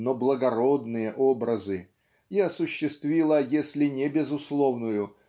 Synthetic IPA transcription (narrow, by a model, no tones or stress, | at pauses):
noblˠəɡɐɾo̞d̪nɨjəʔobɾəzɨ | iɐsʊɕːɪst̪vʲilˠəjesʲlʲɪnʲɪbʲɪzʊslˠo̞vnʊjʊ